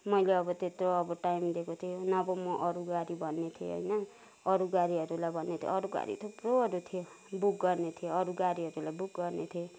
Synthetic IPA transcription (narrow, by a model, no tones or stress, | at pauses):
mʌjleʌbʌt̪et̪roʌbʌʈajmd̪ekot̪ʰijonʌbʌmʌʔʌɾuɡaɾibʱʌnːet̪ʰiḛɦo̰jnʌ | ʌɾuɡaɾiɦʌɾulajbʱʌnːet̪ʰijḛʌɾuɡa̰ɾḭt̪ʰoproɦʌɾut̪ʰijo | buk̚ɡʌrnet̪ʰijoʌɾuɡaɾiɦʌɾulajbukɡʌrnet̪ʰie